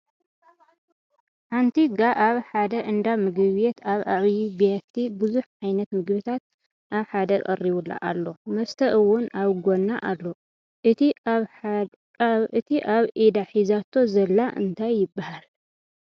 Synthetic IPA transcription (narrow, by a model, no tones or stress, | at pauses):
ħant̪ʰiɡaʔaβħad̪ɐʔɨnd̪amɨɡɨβjet̪ʰaβʔaβjibijat̪ʰːibɨzuħʕajnɐt̪mɨɡβɨt̪ʰat̪̚ | ʔaβħad̪ɐkʼɐ̰rːiβulːa̰ʔa̰lːo̞mɐst̪ʰɐʔɨwʊnaβɡo̞nːaʔalːo̞ | ʔɨt̪i | ʔɨt̪ʰiʔaβʔid̪aħizat̪ʰːo̞zɐlːaʔɨ̰nt̪ʰajːɪbːahal